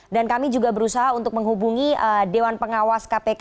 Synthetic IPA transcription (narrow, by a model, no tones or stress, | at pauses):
dankamid͡ʒuɡabəɾusaɦaunt̪ʊk̚məŋɦubuŋiədewanpəŋawaskapek